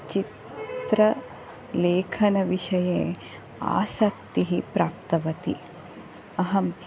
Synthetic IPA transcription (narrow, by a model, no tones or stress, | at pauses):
t͡ʃit̪ɾɐ | leːkʰɐnɐʋiʂɐjeː | a̰ːsɐk̚t̪iɦipɾaːp̚t̪ɐʋɐt̪i | ɐɦɐm